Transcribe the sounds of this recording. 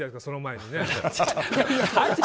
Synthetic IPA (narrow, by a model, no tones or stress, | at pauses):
akasonomaeɲʲine | a